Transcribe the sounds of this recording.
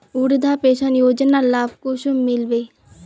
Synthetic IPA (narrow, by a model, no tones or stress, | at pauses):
uɾd̪ʱaːpeːʃənjoːd͡ʒnalaːb̚kʊʃʊmɪlʋeː